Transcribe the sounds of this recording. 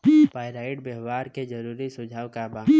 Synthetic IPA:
paːɪɾaːɪʈ̚beɦʋaːɾked͡ʒəɾuːɾisʊd͡ʒʱaːwkabaː

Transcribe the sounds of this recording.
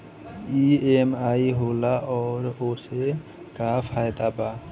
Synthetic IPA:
iemaːiɦoːlaʔɔːɾoːse | kapʰaːjd̪aba

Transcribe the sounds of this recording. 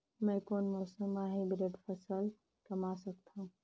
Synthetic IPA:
mɛ̃koːnmoːsəmaɦebɾeːʈpʰəsəl | kɐmasək̚t̪aɦũ

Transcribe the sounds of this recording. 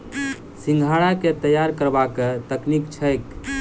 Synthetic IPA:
siŋɡʱaɽaket̪əjaɾkəɾbaket̪əknikt͡ʃʰəjk

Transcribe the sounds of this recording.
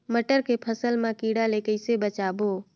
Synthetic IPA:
məʈəɾkepʰəsəlmãkiɽalekəɪsebət͡ʃaːbo

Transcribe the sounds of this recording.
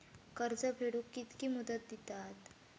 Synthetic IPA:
kəɾd͡zəpʰeɽukːit̪kimud̪ət̪̚d̪it̪at̪

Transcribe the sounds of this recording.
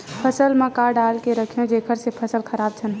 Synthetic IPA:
pʰəsəlmẽkaɖalkeɾəkʰijõd͡ʒekʰəɾsepʰəsəlkʰəɾab̚t͡ʃʰən

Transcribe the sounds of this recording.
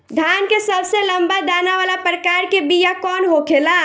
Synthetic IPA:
d̪ʱjankesəbseləmbad̪anaʋalapɾəkaːɾkebijakɔːnɦokʰela

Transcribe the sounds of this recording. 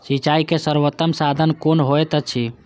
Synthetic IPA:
sit͡ʃaikesəɾʋət̪ːəmsad̪ʱənkonɦoet̪ət͡ʃʰi

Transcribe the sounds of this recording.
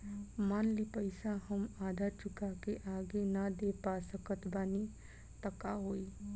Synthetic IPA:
maːnlipəɪsahəmaːd̪ʱat͡ʃʊkakeʔaːɡenɐd̪eːpasəkət̪baːni | t̪əkaɦoːiː

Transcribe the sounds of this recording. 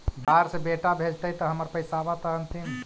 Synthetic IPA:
bʱaɾsebeʈabʱed͡ʒt̪əɦit̪əɦəməɾpəjsaʋat̪əɦənt̪in

